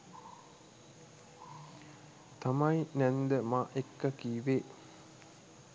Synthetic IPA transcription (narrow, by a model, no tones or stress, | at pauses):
t̪amɐinænd̪əmaʔekːəkiːʋeː